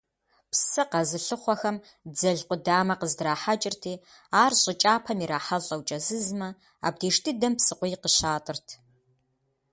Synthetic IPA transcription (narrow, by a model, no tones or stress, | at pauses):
psɨqɐzɨɬɨχʷɔxɐm | d͡zɐɮqʷʊdaːmɐqəzdraːħat͡ʃʼɪrtʰiː | aːrɕʼɪt͡ʃʼaːpʰɐmiɾaːħɐɮʼɐwt͡ʃʼɐzɨzmɐ | a̰ːb̚deːʂtʰɨdɐmpsɨqʷʊjqəɕaːtʼɨrtʰ